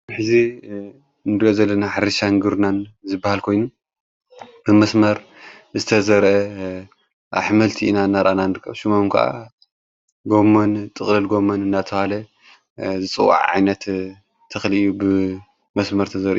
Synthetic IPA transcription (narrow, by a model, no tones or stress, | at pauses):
ħɨzi | ndiʔozɐlːɐnaħaɾɐʃaŋɡɨɾnanzɨbːahalkʰo̞jnu | b̥ɨmɐsmɐɾ | zɨt̪ʰɐzɐɾʔɐ | ʔa̰ħmɐlt̪ʰiinanːaɾʔananɨɾɨkʰːɐβʃumomkʰɐ̰ʔa̰ | ɡo̞mːont̪ʼɨχʼlɨlɡo̞monɨndat̪ʰɐhalɐ | zɨt͡sʼɨwa̰ʕʕa̰jnɐt̪ | t̪ʰːɐxlijubɨ | mɐsmɐɾt̪ʰɐzɐɾʔḭ